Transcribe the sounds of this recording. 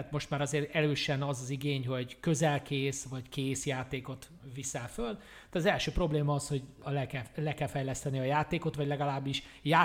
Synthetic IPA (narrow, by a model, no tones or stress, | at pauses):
t̪mo̞ʃt̪maːɾɒzeːɾɛløːʃɛnɒzɒziɡeːɲɦo̞ɟkø̞zɛlkeːsvɒɟkeːsjaːt̪eːko̞t̪ | visɛlføl | d̪ɛɒzɛlʃøːpro̞bleːmɒɒsho̞ɟɒlɛkɛlɛkɛlfɛjlɛst̪ɛniɒjaːt̪eːko̞t̪ʋɒɟlɛɡɒlaːbːiʃ | jaː